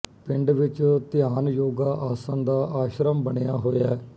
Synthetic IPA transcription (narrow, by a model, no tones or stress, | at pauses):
pɪɳɖʋɪt͡ʃt̪ɪjaːnjoːɡaːʔaːsənd̪aːʔaːʃɾəmbəɳejaːɦoːjaː